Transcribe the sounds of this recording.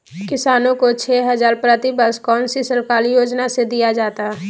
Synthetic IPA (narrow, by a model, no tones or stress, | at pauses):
kɪsaːnõkot͡ʃʰɛːɦɐzaːɾpɾət̪ɪbəskɔːnsisəɾkaːlijoːd͡ʒnased̪ijad͡ʒaːt̪aɦɛ